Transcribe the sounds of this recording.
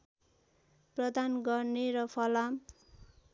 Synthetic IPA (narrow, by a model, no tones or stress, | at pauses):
prʌd̪anɡʌrneɾʌpʰʌlam